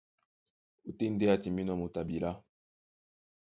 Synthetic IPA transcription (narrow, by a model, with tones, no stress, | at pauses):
u˦te˦n˦de˦a˦ti˨mi˦nɔ˨mu˨ta˨bi˨la˦